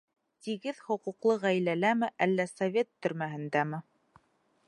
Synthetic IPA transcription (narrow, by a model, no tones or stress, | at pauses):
t̪iɡɘðhŏquqlˠɤʁæjlælæmɘʔælːæsɐvʲe̞t̪ːɵ̆ɾmæɦɘ̆nd̪æmɘ